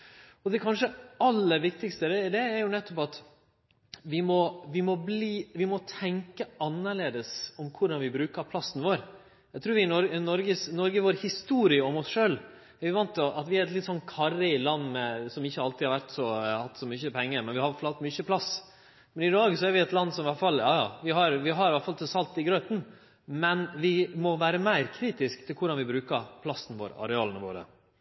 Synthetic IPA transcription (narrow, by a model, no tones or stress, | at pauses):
ɔd̪ɛkʰɑnʂəɑlːəʋɪk̚t̪ɪkst̪əd̪ɛd̪ɛːɾjʊnɛt̪ːɔpɑt̪ | ʋɪmɔʋɪmɔbliːʋɪmɔt̪ʰɛŋkəɑnːəɭeːd̪əsɔmkʰʊɖɑnʋɪbɾʉːkəɾpʰlɑsːn̩ʋoːɾ | jæɪt̪ʰɾʉːʋɪnɔnɔɾɡəsnɔɾɡəʋoːɾhɪst̪uːɾɪəɔmɔsʂøːl | æɾʋɪʋɑnt̪ːɔʔɑt̪ʋɪæɾɛt̪lɪt̪ːsɔnt̪kʰɑɾəɪlɑnːmɛsɔmɪçːəhɑlt̪ɪhɑɾʋæɾt̪sɔhɑt̪ːsɔmʏçəpʰɛŋːəɾmɛnʋɪhɑɾʋæflɑlt̪mʏçəpʰlɑs | mɛnɪd̪ɑːɡsɔæɾʋɪɛt̪lɑnːsɔmʋæɾʈ̪fɑljɑːjɑːʋɪɦɑɾʋɪɦɑɾʋætfɑlt̪ʰɛsɑlt̪ɪɡɾøt̪n̩ | mɛnʋɪmɔʋæːɾəmæɪɾkʰɾiːt̪ɪskt̪ʰɪlkʰʊɖɑnʋɪbɾʉːkɑɾpʰlɑsənʋo̰ːɾɑ̰ɾɛɑːlənəʋo̰ːɾə̰